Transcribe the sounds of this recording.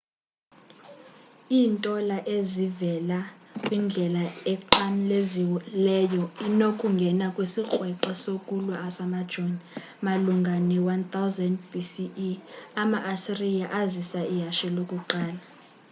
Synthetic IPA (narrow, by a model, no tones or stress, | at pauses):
iːntʼɔlaʔezivɛlakʼwind͡ɮʱɛlaɛǃamleziwlɛjɔinokʼuŋɡʱɛnakʼwisik͡xʼwɛǃasokʼulaasamad̥ʒ̥ʱon | maluŋɡʱanɛwant̪ʰawzɛndbisi | amaʔasirijaʔazisaijaʃɛlokʼuǃaːla